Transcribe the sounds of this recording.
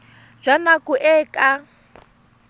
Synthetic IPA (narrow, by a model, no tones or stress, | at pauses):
d͡ʒanakʼuʔɛːkʼa